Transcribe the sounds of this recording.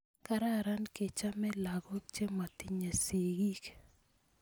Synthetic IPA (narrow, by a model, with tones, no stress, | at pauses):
ka˦ɾa˦ɾa˦nke˨t͡ʃa˦mɛ˦la˨ɡɔ˦k̚t͡ʃe˦ma˨t̪i˦ɲa˨si˨ɡi˦k